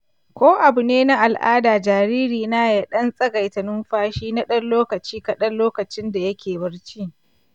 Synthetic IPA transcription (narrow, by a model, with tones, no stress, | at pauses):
kʷoː˦ʔa˨bʊ˨neː˦na˦ʔa˨lʔa̰ː˦daː˨d͡ʒaː˨ɾiː˦ɾiː˨naː˦ja˦˨ɗɐ˦nsʼɐ˦ɡa˨jtɐ˨nʊ˦mɸaː˦ʃiː˦na˦ɗɐ˦nloː˦kɐ˨t͡ʃiː˦kɐ˨ɗɐ˦nloː˦kɐ˨t͡ʃɪ˦nda˨jɐ˦kʲʰeː˨bɐ˦ɽt͡ʃi˦